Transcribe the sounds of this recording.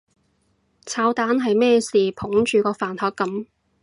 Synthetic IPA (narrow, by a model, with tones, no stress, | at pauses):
t͡sʰaː˧˥wt̪aː˨˥nɦɐ˨jmɛː˥siː˨pʰʊ˨˥ŋt͡ʃyː˨kɔː˧faː˨˩nt̪ʰɔː˨˥kːɐ˨˥m